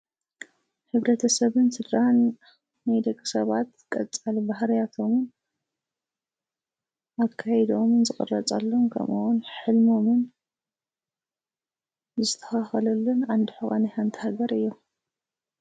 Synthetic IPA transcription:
ħɨβɾɐt̪ʰɐsɐβɨnsɨd̪ɾanː | ajd̪ɐkʼːi̥sɐβat̪kʼɐt͡sʼalbahɾijat̪ʰo̞mɨn | akʰːajɛd̪o̞mɨnzɨxʼɨ̰rːɐt͡sʼa̰lːonkʰɐ̰muwunħɨlmo̞mɨn | zɨt̪ʰːɐ̥xaxɐlɐlːunʕand̪ɨħuxʼanɨhant̪ʰihaɡɐɾɨjːu

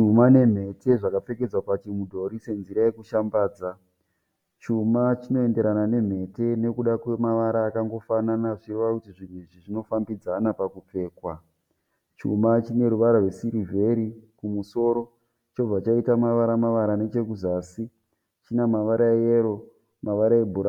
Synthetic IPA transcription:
t͡ʃumane̞m̤e̞te̞ʐakap͡fe̞ke̞d͡zwapat͡ʃimudʱo̞ɾise̞nziɾaje̞kuʃambaːd͡za | t͡ʃumat͡ʃino̞e̞nde̞ɾanane̞m̤e̞te̞ne̞kuɗakwe̞maʋaɾaːkaŋɡo̞fananaʐireʋakutiʐin̤weʐiʐino̞fambid͡zanapakup͡fe̞ːkwa | t͡ʃṵmat͡ʃine̞ɾuʋaɾarwe̞siɾivʱe̞ɾikumuso̞ɾo̞ | t͡ʃo̞b͡vat͡ʃaitamaʋaɾamaʋaɾane̞t͡ʃe̞kuzaːsi | t͡ʃinamaʋaɾʔaeeɾo̞ | maʋaɾaebʱuɾa

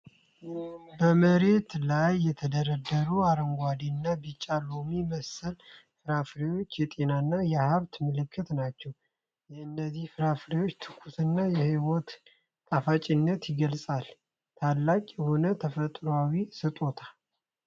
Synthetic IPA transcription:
bəməɾe̞t̪lajːɛt̪ʰəd̪əɾəd̪ːəɾuaɾəŋɡʷad̪inːabit͡ʃʼːalomiməsəl | fɨɾafɾewo̞t͡ʃːjɛt̪ʼe̞nanːajɛhaβt̪mɨlɨkʰːɨt̪nat͡ʃːɛw | jɛɨnd̪əzihfɨɾafɾewot͡ʃːt̪ʰɨkʰusɨnːajɛhiwot̪ːʼ | afat͡ʃʼinːət̪jɪɡəlsʼal | t̪ʰalːakʼjɛho̞nət̪ʰəfət̪ʼɾowawisɨt̪ʼo̞t̪ʰḁ

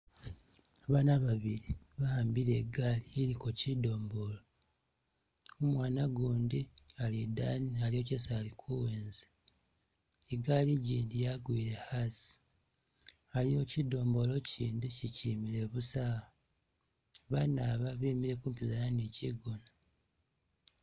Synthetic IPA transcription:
aβaːnaβaβiɾi | βahaːmbiɾe̞ːɡalieɾikocido̞ːmbo̞lo | umwaːnaɡuːndialida̰ːnialio̞cesalikʰuweːnze | eɡaliɟiːndijaɡwiːɾe̞hasi̥ | alio̞cido̞ːmbo̞lo̞ciːndicicimiɾe̞βusaːha | βanaβaβiːmiɾe̞kuːmpizajaniciɡona

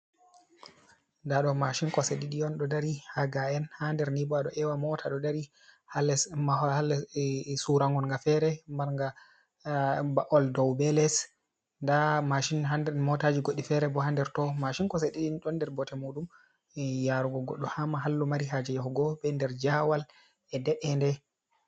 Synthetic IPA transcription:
ndaɗɔmaʃiŋkɔseɗiɗiɔnɗɔdaɾihaɡaɛnhandɛɾnibɔaɗɔʔɛwamɔtʰaɗɔdaɾi | halɛmaalːɛsuɾaŋɡɔnŋɡafɛɾɛmaɾŋɡa | baʔɔldɔwbɛlɛs | ndamaʃinɦandɛmɔtad͡ʒiɡoɗifɛɾɛbɔhandɛɾtɔmaʃinkɔseɗiɗinɗɔndɛɾbɔtɛmuɗum | jaɾuɡɔɡɔɗːɔhamaɦalːumaɾiɦad͡ʒɛjɔhɔɡɔbɛndɛɾd͡ʒawal | ɛdɛɗɛndɛ

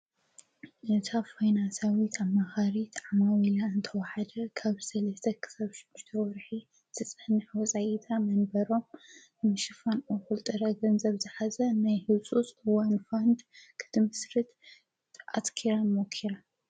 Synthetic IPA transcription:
ʔɨt̪ʰafajnansawit̪ʰamːaxaɾit̪ʰʕamawilaɨnt̪ʰɐwaħad̪ɐkʰaβsɐlɐst̪ʰɐkʰɨ̥saβʃuʃt̪ʰɐwɔɾħi | t̪ʰɨt͡sʼɐhnɨħwɔsʼajɛt̪ʰamɐnbɐɾo̞m | mɨʃɨfanʔɐxult̪ʼɨɾɐɡɐnzɐβzɨħazɐnajhɨsʼusʼɨwanfand̪kʰɨ̥t̪ʰɨmɨsɾɨt̪ | ʔa̰t̪kʰiɾamokʰːiɾa

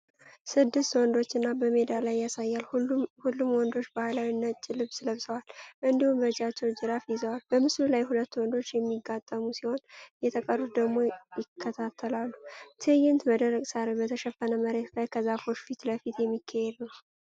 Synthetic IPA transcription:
sɨd̪ːɨst̪wɔnd̪o̞t͡ʃːɨnːabəme̞d̪alajːasajːalhulːumwɔnd̪o̞t͡ʃːbahalawinːət͡ʃʼɪlɨβsləβsəwalʔɨnd̪ihumbəd͡ʒat͡ʃːɛwd͡ʒɨɾafjɪzəwalbəmɨslulajhulət̪ːwɔnd̪o̞t͡ʃːjɛmːiɡːat̪ʼːəmusiho̞njɛt̪ʰəkʼərut̪̚d̪əɡmo̞jɪkʰːət̪ʰat̪ʰːəlalːut̪ʰɨjɪnt̪bəd̪əɾəkʼsaɾebət̪ʰəʃɛfːənəməɾe̞t̪lajkʰəzafo̞t͡ʃːfit̪ləfit̪jɛmːikʰːahed̪nəw

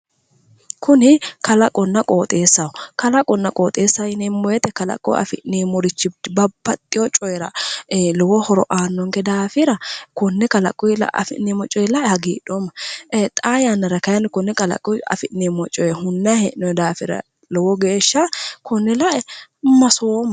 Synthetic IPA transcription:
kʰʊnɪkɐlɐkʼɔnːɐkʼoːt̪ʼe̞ːsːɐwʊkɐlɐkʼɔnːɐkʼoːt̪ʼeːsːaɪnɛmːɔjɛt̪ɛkɐlɐ̰kʼːɔ̰ɐ̰fɪʔniːmɔɾɪt͡ʃːɪbɐbːɐt̪ʼːɪjɔt͡ʃʼɔjɛɾɐlɔwɔhɔɾɔ̰ʔaːnːɔŋkɛd̪aːfɪɾɐkʊnːɛkɐlɐ̰kʼːɔjlɐ̰ʔɐ̰fɪ̰ʔnemɔt͡ʃʼːɔjɛlɐʔɛhɐɡḭːɗomɐt̪ʼaːjanːɐɾɐkɐjɐnkʊnːɛkɐlɐ̰kʼːʊɐ̰fɪʔnemɔt͡ʃʼːɔjɛhʊnːɐhɛʔnɔjd̪aːfɪɾɐ̰ | lɔwɔɡeːʃːɐkʊnːɛlɐʔɛmɐsoːm

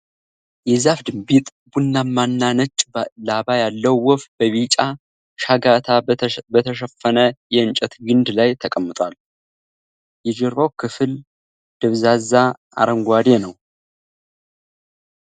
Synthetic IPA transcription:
jɛzafd̪ɨmbit̪ʼ | bunːamanːanət͡ʃʼlabajalːəwːɔfbəβit͡ʃʼa | ʃaɡat̪ʰabət̪ʰəʃ̬əfːənəjɛɨnt͡ʃʼɛt̪ɡɨnd̪lajt̪ʰəkʼəmːɨt̪ʼwal | jɛd͡ʒɛɾβawkʰɨfɨl | d̪̥ɨβzaza | a̰ɾəŋɡʷad̪enəw

